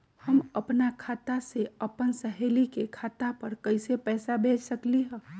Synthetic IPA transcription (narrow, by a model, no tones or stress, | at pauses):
hɐmɐpnakʰaːt̪aseɐpənsəɦeːlikekʰaːt̪apɐɾkɐɪsepɛːsabʱeːt͡ʃsɐkliɦɛ̃ː